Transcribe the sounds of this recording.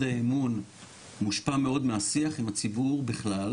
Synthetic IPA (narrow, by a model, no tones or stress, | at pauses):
daemun | muʃpame̞o̞dmeasiaχimat͡sibuʁbiχlal